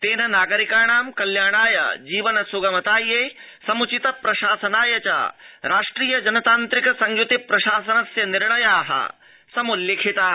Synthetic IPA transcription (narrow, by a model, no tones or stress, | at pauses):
t̪eːnɐnaːɡɐɾikaːɳ̃aːmkɐljaːɽ̃aːjɐ̰d͡ʒiːʋɐnɐsuɡɐmɐt̪aːjeː | sɐmut͡ʃit̪ɐpɾɐʃaːsɐnaːjɐt͡ʃa̰ɾaːʂʈɾiːjɐd͡ʒɐnɐt̪aːnt̪ɾikɐsɐŋjut̪ipɾɐʃaːsɐnɐsjɐniɾɭɐjaːɦɐ̰ | sɐmuljekʰit̪aː